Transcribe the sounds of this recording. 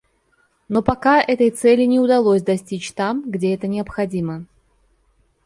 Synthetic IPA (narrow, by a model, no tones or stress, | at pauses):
nopɐkaʔɛt̪əjt̪sɛlʲɪnʲɪʊd̪ɐlˠosʲd̪ɐsʲtʲit͡ɕt̪amɡdʲeɛt̪ənʲɪəpxɐdʲimə